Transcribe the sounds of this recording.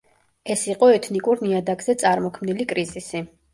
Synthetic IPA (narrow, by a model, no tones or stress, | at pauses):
ɛsiqʼɔɛt̪ʰnikʼuɾniad̪aɡzɛt̪sʼaɾmɔkʰmnilikʼɾizisi